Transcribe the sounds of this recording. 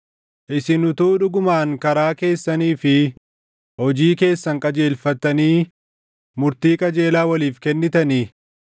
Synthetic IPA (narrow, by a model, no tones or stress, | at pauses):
ʔɪsɪnʊt̪uːᶑʊɡʊmaːŋkɐɾaːke̞ːsːɐniːfɪ | hɔd͡ʒiːke̞ːsːɐŋkʼɐd͡ʒe̞ːlfɐt̪ːɐniː | mʊɾt̪iːkʼɐd͡ʒe̞ːlaːwɐliːfkɛnːɪt̪ɐni